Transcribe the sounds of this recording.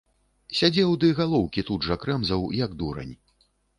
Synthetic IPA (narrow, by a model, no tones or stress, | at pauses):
sʲad͡zʲɛwd̪ɨɣalˠɔwkʲit̪ud̪ʐɐkɾɛmzɐwjɐɡd̪uɾɐ̰nʲ